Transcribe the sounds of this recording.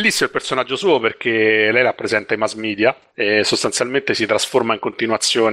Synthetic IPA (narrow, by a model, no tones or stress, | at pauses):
lːisːimoilpersonad͡ʒːosuːoperk̟elɛjlapːɾezɛnt̪aimazmiːd̪ja | esost̪ansjalment̪esit̪ɾasformaiŋkont̪inuat̪sːjoːn